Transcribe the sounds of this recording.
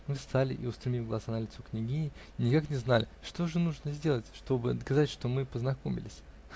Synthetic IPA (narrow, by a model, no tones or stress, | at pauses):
mɨst̪alʲɪ̰ʔḭʊst̪ɾʲɪmʲifʲɡlˠɐzanəlʲɪt̪soknʲɪɡʲinʲɪ | nʲɪkaknʲɪznalʲɪʂt̪oʐɨnuʐnəzʲdʲe̞lˠətʲʂt̪o̞bɨɐd̪kɐzatʲʂt̪o̞mɨpəznɐko̞mʲɪ̰lʲɪsʲ